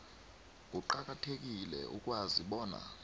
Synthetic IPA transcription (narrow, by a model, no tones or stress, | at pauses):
k̬uǃak̬ʼatʰek̬ilɛ̰ʔukʼwaziɓɔːna̰